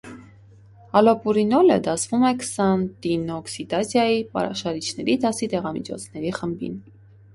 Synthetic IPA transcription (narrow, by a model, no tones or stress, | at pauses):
ɑlɔpuɾinɔlə̰d̪ɑsʰvumɛkʰə̥sɑnt̪inɔksid̪ɑsjɑjipɑ̰ɑʃɑɾit͡ʃʰnɛɾid̪ɑsit̪ɛʁɑmḭt͡ʃʰɔ̰t͡sʰnɛɾiχəmbḭn